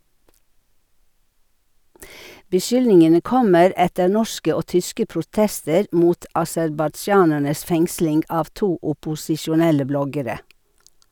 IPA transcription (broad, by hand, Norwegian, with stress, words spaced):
bəˈʃʏlnɪŋənə ˈkɔməɾ ˈɛtəɾ ˈnɔʃkə ˈoː ˈtʏskə pɾʊˈtɛstəɾ ˈmuːt ɑsɛɾbɑˈd͡ʒɑːnæɳəs ˈfɛŋslɪŋɡ ˈɑːʋ ˈtuː ʊpʊsɪʃʊˈnɛlə ˈblɔɡəɾə